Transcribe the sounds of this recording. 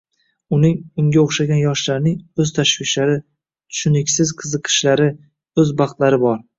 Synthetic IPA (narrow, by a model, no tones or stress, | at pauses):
ʊnɪŋʊŋɡʲaoχʃaɡʲanjɒʃlaɾnɪŋɵzt̪ʰaʃvɪʃlaɾɪ | t̪ʰʊ̥ʃʊnɪkʲsɪzqʰɨzɨqʰɨ̥ʃlaɾɪ | ɵzbɑχt̪laɾɪbɒɾ